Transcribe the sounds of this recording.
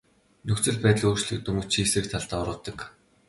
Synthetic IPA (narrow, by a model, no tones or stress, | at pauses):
nɵkt͡sɘ̆ɮpæːt̪ɮuːrt͡ɕɮɘ̆k̚t̪ɵmɵ̆t͡ɕʰiːsĕkt̪ʰaɮt̪aːɔɾʊ̆ːt̪ːə̆k